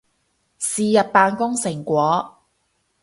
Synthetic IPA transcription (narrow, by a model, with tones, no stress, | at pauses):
siː˨jɐ˨p̚paː˨˧nkʊ˥ŋsɪ˨˩ŋkʷɔː˨˥